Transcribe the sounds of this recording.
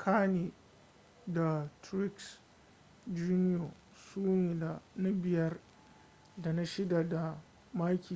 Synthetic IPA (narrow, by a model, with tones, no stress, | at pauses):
kʰaː˦neː˨ | da˨tɾɪ˦ks | d͡ʒuː˦nɪ˦oː˨ | suː˦neː˨da˨na˦bɪ˨jɐ˦r | da˨na˦ʃɪ˦da˨da˨ | maː˦kʲʰiː˨